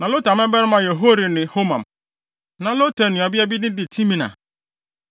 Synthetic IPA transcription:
nã˨lo˦ta˨mɪ̃˦bɛ˦ɾmã˨jɛ˨ɦo˦ɾi˨nɪ̃˨ho˦mã̰˨m | nã˨lo˦tʰa˨nɪ̃˨a˨bi˦a˦bi˦dɪ̃˦dɪ˨tʰĩ˦mĩ˨na̰˨

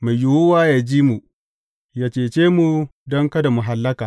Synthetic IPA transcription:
ma˨jʊ˨wʊ˦waː˦jaː˦d͡ʒiː˦mu˨ | jaː˦t͡ʃeː˨t͡ʃeː˦mu˨dɔ˦ŋkɐ˦da˨mʊ˨ɦa˨lːɐ˦kaː˨

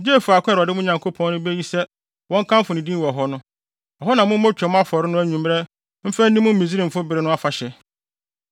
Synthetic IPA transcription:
d͡ʑeː˦˨fʊ˨a˨kʷʰɾɔ˨dɪ˦mʊ̃˦ɲã˨ŋkʰo˦pʰɔ̃˦nnʊ̃˦be˦ji˦sɛ˦ | wɔ̃˦ŋ̩˦kʰã˦mfʊ˨nɪ̃˨dĩ˦wɔ˨ɦɔ˦nʊ̃˦ | ɔ˨ɦɔ˦nã˨mʊ̃˦m̩˦mo˦t͡ɕᶣɛ˨mʊ̃˦a˦fɔ˨ɾɪ˦nʊ̃˦æ˦ɲũ˨m˦ɾɛ˦ | m̩˦fæ˦n̩˦nĩ˦mʊ̃˦m̩˦mĩ˨zi˦ɾĩ˨m̩˨fʊ˦bɪ˨ɾɪ˦nʊ̃˦a˦fa˨ɕɛ˨

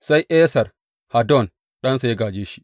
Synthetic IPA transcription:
sa˦jʔɛː˦sɐ˨r | ha˨dɔ˦˨n | ɗɐ˦nsa˨ja˦ɡaː˨d͡ʒeː˦ʃi̥˦ʔ

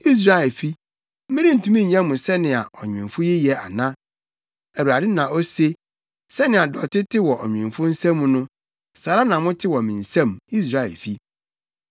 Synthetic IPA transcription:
i˦s̬ɾa˦˨ɛ˨lfi˦ | m̩˦mɪ̃˦ɾi˦n̩˨tʰũ˦mĩ˦˨ɲã˦mʊ̃˨sɛ˦nɪ̃˨a˨ʔɔ˨ɲᶣɪ̃˨fʊ˦ji˦jɛ˨a̰˨nã˦ | æ˨u˨ɾa˨dɪ˦nã˨ɔ˦se˦ | sɛ˦nɪ̃˨a˨dɔ˨tɪ˦tʰɪ˦wɔ˨ʔɔ˨ɲᶣ˨ɪ̃˨mfʊ˦n̩˦sã˦mũ˦nʊ̃˦ | saː˨ɾa˦nã˨mʊ̃˦tʰɪ˦wɔ˨mĩ˨n̩˨sã˦˨mi˦s̬ɾa˨ɛ̰˨lfi˦

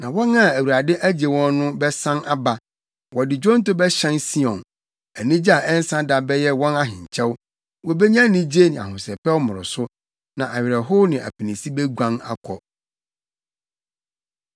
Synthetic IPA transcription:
nã˨wɔ̃˦na˦æ˨wu˨ɾa˨dɪ̃˦ʔæ˦d͡ʑe˨wɔ̃˦nː˦ʊ̃˦bɛ˦sã˦na˦ba˦ | wɔ˨dɪ˨d͡ʑɔ̃˦n̩˦tʊ˦bɛ˦ɕɛ̃˦nsi˦ɔ̃˨n | æ˨nĩ˦d͡ʑa˨ʔɛ˦n˦sã˦da˨bɛ˦jɛ˦wɔ̃˦na˦ɦɪ̃˨ɲ˨t͡ɕʰɛ˦w | wɔ˦be˦ɲã˦nĩ˦d͡ʑe˦nɪ̃˨a̰˨hʊ̃˨sɛ˨pɛ˦wmʊ̃˨ɾʊ̰˨sʊ˦ | nã˨ʔa˨ɥɪ˨ɾɛ˨ɦʊ˦nɪ̃˨ʔæ̰˨pʰi˨nĩ˨si˦bɛ˦ɡʷã˦na̰˦kʰɔ˨

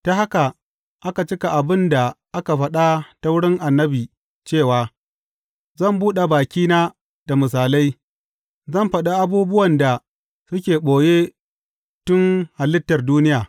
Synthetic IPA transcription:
ta˦ha˦ka˨ | ʔa˦ka˨t͡ʃɪ˦ka˨ʔa˨bɪ˦nda˨ʔa˦ka˨ɸɐ˦ɗa˦ta˦wʊ˦ɽɪ˦ŋʔa˨nːɐ˦biː˨ | t͡ʃeː˦˨waː˨ | zɐ˦˨mbuː˦ɗa˨baː˨kʲiː˦naː˦ | d̥a˨mɪ˨s̬aː˨la˦j | zɐ˦˨mɸɐ˨ɗa˨ʔa˦buː˦bʊ˦wɐ˨nda˨ | sʊ˦kʲeː˨ɓoː˨jeː˦ | tʊ˦ŋha˨lɪ˦tːɐ˨rduː˦nɪ˦jaː˨

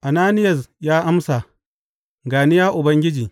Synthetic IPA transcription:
ʔa˨naː˦nɪ˦jɐ˨sjaː˦ʔa˦msa˨ | ɡaː˨nɪ˦jaː˦ʔʊ˨bɐ˦ŋɡʲɪ˦d͡ʒiː˨

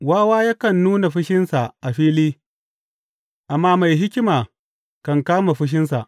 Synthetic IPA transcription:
waː˦waː˦ja˦kɐ˨nːuː˦na˨ɸʊ˦ʃɪ˦nsa˨ʔa˨ɸiː˦liː˦ | ʔa˨mːaː˦ma˨jɦɪ˦kʲɪ˦maː˨ | kɐ˨ŋkaː˦ma˨ɸɪ˦ʃ̬ɪ˦ns̬a˨ʔ

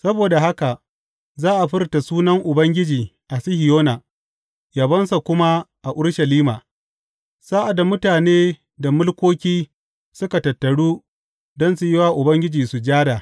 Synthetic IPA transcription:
sɐ˦boː˨da˨ɦa˦ka˨ | zaː˦ʔa˨ɸɪ˦rta˨suː˦nɐ˦ŋʔʊ˨bɐ˦ŋɡʲɪ˦d͡ʒiː˨ | ʔa˨sɪ˦hɪ˨joː˦na˨ | jɐ˨bɐ˦nsa˨kʷʊ˦ma˦ʔa˨ʔʊ˦ɽʃɐ˨liː˦maː˨ | saː˦ʔa˨da˨mʊ˦taː˨neː˦ | da˨mʊ˦lkʷoː˦kʲiː˦ | sʊ˦ka˨tɐ˨tːɐ˨ɽuː˦ | dɔ˦nsu˨jɪ˦waː˦ʔʊ˨bɐ˦ŋɡʲɪ˦d͡ʒiː˨su˨d͡ʒaː˦ɽaː˨

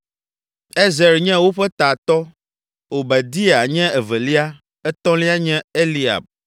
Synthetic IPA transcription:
e˦zɛ˨ɾɲɛ̃˦wo˦ɸɛ˦t̪a˨t̪ɔ˦ | wo˨bɛ˨d̪i˦e˨a˨ɲɛ̃˦ɛ˨vɛ˨li˦a˦ | ɛ˦t̪ɔ̃˦li˦a˦ɲɛ̃˦e˦li˨a̰˨b̚

